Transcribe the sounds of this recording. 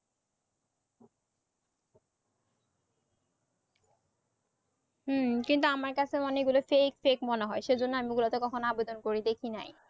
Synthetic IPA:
ɦ̩kint̪̬uamaɾkat͡ɕʰeɔneɡulofekfekmɔneɦɔeʃejd͡ʑonːoamiɡulat̪okɔkʰonoabed̪ʱonkoɾid̪ekʰina̰j

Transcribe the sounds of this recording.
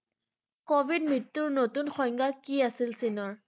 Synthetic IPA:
kobʱidmitːʊɹnotunxɔjŋɡakiasilsinɔɹ

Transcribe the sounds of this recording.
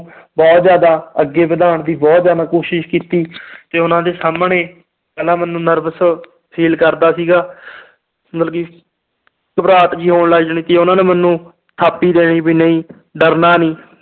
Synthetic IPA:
bɔːt̪zjaːd̪aːəɡːeːbəd̪aːɳd̪iːbɔːt̪zjaːd̪aːkoːʃɪʃkiːt̪iːt̪eːʊnãːd̪eːsaːmɳeː | kəlãːmənːũːnəɾbəs | pʰiːlkəɾd̪aːsiːɡaː | mət̪əlɡiː | kəpɾaːt̪d͡ʒiːɦoːɳləd͡ʒɳĩːt̪eːʊnãːnẽːmənːũː | t̪ʰaːpːiːd̪eːɽ̃iːbiːnəĩː | ɖəɾnaːniː

